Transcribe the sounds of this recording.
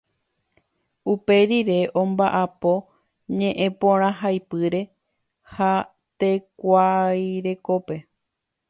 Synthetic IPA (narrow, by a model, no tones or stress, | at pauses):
upe̞ɾiɾe̞ʔõ̞mbaʔapo̞ | ɲẽ̞ʔẽ̞põɾ̃ãɦajpɨɾe̞ | ha | t̪e̞kʷajɾe̞ko̞pe̞